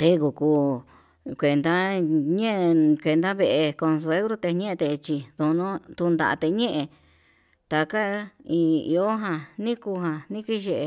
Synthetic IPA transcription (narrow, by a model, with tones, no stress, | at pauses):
t̪e˧ku˨kuː˧ | kʷe˧˨nd̪a˦ɲẽ˦ʔkʷe˧nd̪a˦βe˧ʔe˧ko˧ns̬u˧e˦ɣɾo˦t̪e˧ɲẽ˦˧t̪e˧t͡ʃi˧ðu˧nõ˦t̪u˧nd̪a̰˧˨a̰˧t̪e˧ɲẽ˦ʔẽ˧ | t̪a˧ka˦ĩ˧ḭ˧o˦ɦã˧nĩ˦ku˧ɦã˧nĩ˦ki˦ʒe˧˨˧